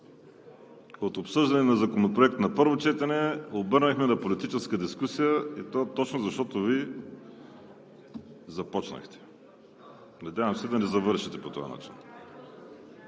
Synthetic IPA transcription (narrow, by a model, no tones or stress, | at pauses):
ot̪opsɤʒd̪ɐnɛnɐzɐkonopɾoɛk̚t̪nɐpɤɾvot͡ʃɛt̪ɐnɛobɤɾnɐxmɛnɐpolit̪it͡ʃɛskəd̪iskusijəit̪oat̪ɔt͡ʃnozɐʃt̪ɔt̪ovi | zɐpɔt͡ʃnɐ̰xt̪ɛ̥ | nɐd̪ʲjavəmsɛd̪ɐnɛzɐvɤɾʃit̪ɛpot̪o̰a̰na̰t͡ʃin